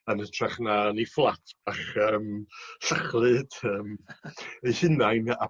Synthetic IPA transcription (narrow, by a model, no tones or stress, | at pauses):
ənətʰraχnaniflˠatʰb̥aχəːmsaχlˠɨd̥əːm | ejhɪnajna